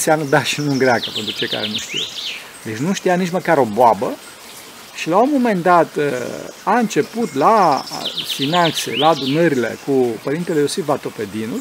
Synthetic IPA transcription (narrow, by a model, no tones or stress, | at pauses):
nseamnəd̪aʃinuɨŋɡɾeakəpe̞nt̪ɾut͡ʃe̞jka̰ɾenuʃt̪ḭw | d̪et͡ʃʲnuʃt̪ijanit͡ʃməkaɾo̞boabə | ʃilaomo̞mend̪at̪ | aɨnt͡ʃe̞put̪la | finant̪sḛlaːd̪unəɾile̞̰kupəɾint̪elejosivat̪o̞ped̪inulʲ